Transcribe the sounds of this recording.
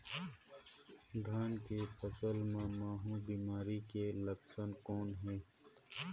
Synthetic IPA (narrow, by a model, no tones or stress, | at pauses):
d̪ʱaːnkepɐsəlmãmaːɦũbiːmaːɾikelɐksənkoːnɦeː